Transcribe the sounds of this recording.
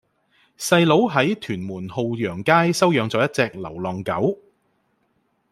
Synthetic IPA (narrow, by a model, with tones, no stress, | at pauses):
sɐ˧jlo˨˥wɦɐ˨˥jt̪ʰyː˨˩nmuː˨˩nho˨˧wjœː˨˩ŋkaː˥jsɐ˥wjœː˨˧ŋt͡sɔː˨˥jɐ˥t̚t͡sɛː˧k̚lɐ̰˨˩wlɔː˨˩ŋkɐ˨˥w